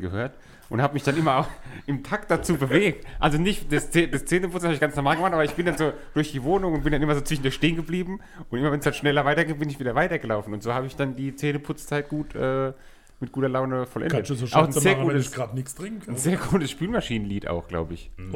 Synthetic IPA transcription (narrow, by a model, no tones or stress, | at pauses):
ɡ̥əhøːɐt | ʔʊnthaːbəmɪçd̥anʔɪmɐaʊxʔɪmtʰakt̚d̥at͡suːbəveːk̚tʔalzonɪçtd̥ɛst͡sedɛst͡seːnəpʰʊt͡snshaːbɪçɡ̥ant͡snɔɐmaːlɡəmaːtʔaːbɐɪçb̥ɪndanzoː | d̥ʊɐçd̥iːvoːnʊŋʊnt̚b̥ɪndanʔɪmɐzoːt͡sv̥ɪʃn̩dʊɐçʃteːənɡəbliːbm̩ | ʔʊntʔɪmɐvɛnsd̥anʃnɛlɐvaɪtɐɡeːt̚b̥ɪnɪçviːdɐvaɪtɐɡəlaʊfn̩ʊntz̥oːhaːbəɪçd̥andiːt͡seːnəpʰʊt͡st͡saɪt̚ɡ̥uːtʰʔɛː | mɪt̚ɡ̥uːtɐlaʊnəfɔlʔɛ̰nkdətzoaʊxn̩zeːɐɡuːtəssɡ̥ʁaːtnɪksd̥ʁɪŋŋ̩kʰnzeːɐɡuːtəsʃpyːlmaʃiːnənliːta̰ʊxɡ̥la̰ʊbəɪ̰ç